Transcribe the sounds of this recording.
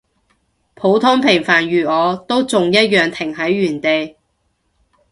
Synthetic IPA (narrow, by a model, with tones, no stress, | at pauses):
pʰo˨˥wt̪ʰʊ˥ŋpʰɪ˨˩ŋfaː˨˩nɥyː˨ɔː˨˧t̪o˥wt͡sʊ˨ŋjɐ˥t̚jœː˨ŋt̪ʰɪ˨˩ŋhɐ˨˥jːyː˨˩nt̪e˨j